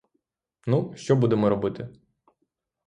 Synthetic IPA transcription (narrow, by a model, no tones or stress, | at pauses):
nuʃt͡ʃɔbud̪emɔɾɔbɪt̪ɪ